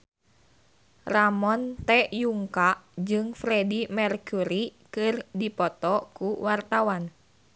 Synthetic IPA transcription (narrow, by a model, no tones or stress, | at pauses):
ramɔnt̪ɛjuŋkaʔd͡ʒɨŋfɾɛdimɛrkuɾikɨrdipɔt̪ɔkuwart̪awan